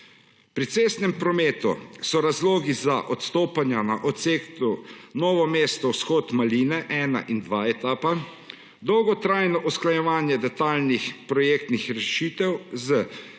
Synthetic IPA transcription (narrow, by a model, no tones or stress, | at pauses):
pɾit̪seːst̪nɛmpɾɔmeːt̪ṵsɔɾazloːɡizaʔɔt̪st̪oːpanjanaʔɔt̪seːkt̪unɔːʋɔmeːst̪ɔwsxɔːt̪maliːnɛʔɛːna̰ʔind̪ʋaːɛt̪aːpa | d̪ɔwɡɔt̪ɾaːjnɔʔusklajɛʋaːnjɛd̪ɛt̪aːlnixpɾɔjeːk̚t̪nixɾɛʃiːt̪ɛwzə